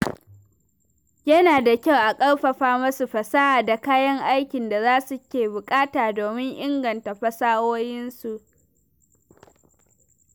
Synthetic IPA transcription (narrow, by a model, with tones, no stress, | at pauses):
jɐ˦naː˨da˨kʲa˦˨wʔa˨kʼɐ˦ɽɸɐ˨ɸaː˦mɐ˦su˨ɸɐ˨sa˦ʔaː˨da˨kaː˦jɐ˦ŋʔa˦jkʲɪ˨nda˨zaː˦su˨kʲeː˨bʊ˨kʼaː˦taː˨doː˨mɪ˦ŋʔɪ˦ŋɡɐ˨nta˨ɸɐ˦saː˦woː˦jɪ˦nsu˨ʔ